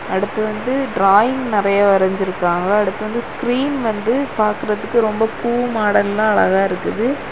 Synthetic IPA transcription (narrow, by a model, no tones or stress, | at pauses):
ɐɽɯt̪ːɯʋɐnd̪ɯɖɾaːjɪŋɡnɪrɐjɐʋɐɾɐɲd͡ʒɪɾɯkːaːŋɡɐːɽɯt̪ːɯʋɐnd̪ɯskɾiːnʋɐnd̪ɯpaːɾkɯɾɐðɯkːɯɾɔmbɐpuːmaːɽɐllːãːɐɭɐɣaːɪɾɯkːɯðɯ